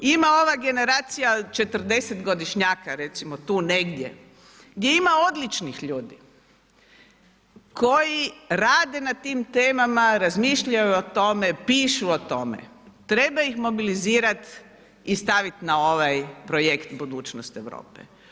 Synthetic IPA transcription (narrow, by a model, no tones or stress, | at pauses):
imao̞ʋaɡe̞ne̞ɾaːt̪sijat͡ʃe̞t̪r̩d̪e̞set̪ɡo̞d̪iʃɲaːkaɾe̞t̪simot̪uːne̞ɡd̪je̞̰ | ɡd̪je̞imao̞d̪lit͡ʃnixʎuːd̪i | kʰo̞jiɾaːd̪e̞nat̪iːmt̪eːmamaɾazmiːʃʎajuot̪o̞me̞piːʃuot̪o̞mḛ | t̪ɾe̞baixmo̞biliziːɾat̪ | ist̪aʋit̪nao̞ʋajpɾojekt̪bud̪uːt͡ʃnost̪eʋɾo̰ːpḛ